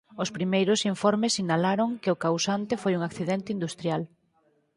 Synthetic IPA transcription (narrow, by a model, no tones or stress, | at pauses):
ʊspɾimejɾʊsiɱfɔɾmɪsːinalaɾoŋkɪʊkawsant̪ɪfojuŋakθiðɛnt̪ɪind̪ust̪ɾjal